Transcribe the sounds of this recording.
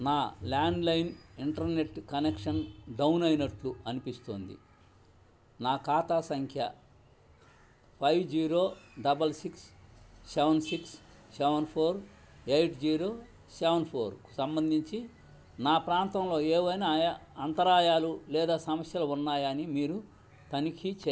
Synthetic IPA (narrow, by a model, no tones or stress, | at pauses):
naːlaːɳɖlɐjniɳʈɐɾne̞ʈkɐnekʂɐnɖɐwnɐjnɐʈluɐnipist̪o̰ːnd̪ḭ | naːkaːt̪asɐŋkʰjɐ | pʰɐjʋd͡ʒiːɾoːɖɐbɐlsiksː | eʋɐnsiksseʋɐnpʰoːɾ | ejʈʰd͡ʒiːɾoː | seʋɐnpʰoːɾku̥sɐmbɐnd̪ʱiɲt͡ʃi | naːpɾaːnt̪ɐmlo̞ːeːʋɐjnajɐɐnt̪ɐɾaːjaːlulɛːd̪aːsɐmɐsjɐluunːaːjɐnimiːɾu | t̪ɐnikʰit͡ʃɛ